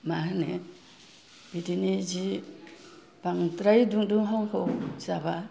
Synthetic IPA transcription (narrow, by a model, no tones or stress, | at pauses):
mahne | b̥idinid͡ʒi | b̥aŋtɾajduŋduŋɦɔŋhɔzaba